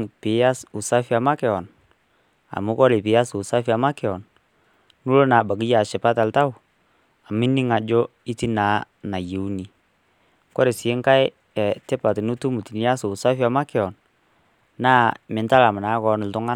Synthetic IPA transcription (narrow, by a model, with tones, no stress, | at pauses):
ŋpɪ˨˦ja˦su˨sa˦fi˦a˨ma˦kɛ˨ɔ˨n | a̰˨mʊ˦kɔ˦ɾɪ˨pɪ˨ja˦sʊ˨sa˦fi˦a˨ma˦kɛ˨ɔ˨n | nu˦lo˦na˨ba˨k̬i˦ja˨ʃɪ˨pa˦ta˨lta˦w | a˨mɪ˦nɪ˦ŋa˨d͡ʒɔ˦i˦ti˦naː˨˦ | na˨je˨u˦ni˨ | kɔ˦ɾɪ˨sɪ˨˦ŋka˦j | ɛ˨tɪ˦pa˨tnʊ˦tu˦mu˨ti˨ni˦a˦sʊ˨sa˦fi˦a˨ma˦kɛ˨ɔ˨n | naː˦˨mɪ˨nta˦la˨m˨naː˨˦kɔ˨nʊ˨ltʊ˦ŋa˦